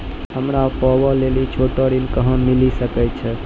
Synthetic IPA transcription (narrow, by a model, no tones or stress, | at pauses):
həmɾapɔbəlelit͡ʃʰoʈəɾilkəɦə̃mːilisəkɛt͡ʃʰɛ